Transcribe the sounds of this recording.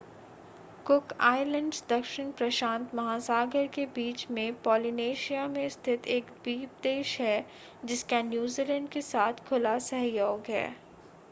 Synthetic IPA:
kʊkaːɪlə̃ɳɖsd̪ɐkʃɪnpɾɐʃãːnt̪mɐɦaːsaːɡəɾkebiːt͡ʃmẽpɔːlineːʃijamẽst̪ʰɪt̪ʰeːkbiːp̚d̪eːʃɦɛ | d͡ʒɪskanjuːzilə̃ɳɖkesaːt̪ʰkʰʊlasɛɦjoːɡɦɛ̰ː

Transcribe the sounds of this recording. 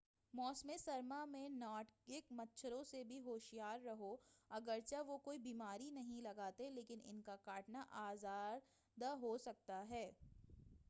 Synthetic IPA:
mɔːsmẽsɐɾmamẽnaːʈkɪkmɐtːʃʰəɾõsebʱiɦoːʃijaːɾːɐɦoɐɡəɾt͡ʃaʋokoːibiːmaːɾinɐɦĩlɐɡaːt̪eleːkɪnɪ̰nkakaːʈnaʔaːzaːɾ | d̪aɦosɐk̚t̪aɦɛː

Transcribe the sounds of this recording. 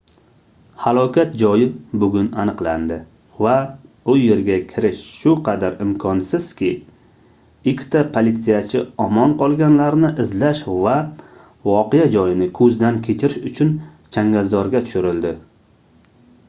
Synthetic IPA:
halˠɒkʲʰat̪̚d͡ʒɒjɪbʊɡʲʊnanɨqland̪ɪ | va | ʊje̞ɾɡʲakʲʰɪɾɪʃʃʊqʰɑd̪aɾɪmkʰɒnsɪz̥kʲɪ | ɪkʲʰːt̪ʰapʰolit̪sijat͡ʃʰɪɒmɒnqʰɒlˠɡʲanlaɾnɪʔɪzlaʃva | vɒqejad͡ʒɒjɪnɪkʰɵzd̪ankʲʰe̞t͡ʃʰɪɾɪʃʊt͡ʃʰʊn | t͡ʃʰaŋɡʲazd̪ɒɾɡʲat̪ʰʊ̥ʃʊɾɪld̪ɪ

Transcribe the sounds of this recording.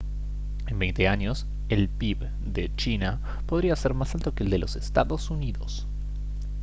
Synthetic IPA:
embejnt̪eaɲo̞s | elpip | d̪et͡ʃina | po̞ðɾiaseɾmasalt̪o̞keeːld̪elʔo̞sest̪aðosuniðo̰s

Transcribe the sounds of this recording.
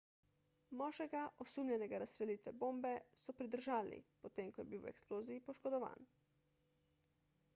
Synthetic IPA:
mɔːʒɛɡaʔɔsuːmlʲɛnɛɡaɾast̪ɾɛliːt̪ʋɛboːmbɛsɔpɾid̪əɾʒaːlnḭpɔt̪eːmkɔjɛbiwɛ̰ksploːziːpɔʃkɔd̪ɔʋa̰ːn

